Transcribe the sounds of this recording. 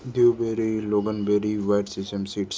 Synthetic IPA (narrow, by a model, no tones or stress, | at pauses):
d̪iwbeːɾiloːɡənbeːɾiʋaɪɖsisʈəmsiːʈs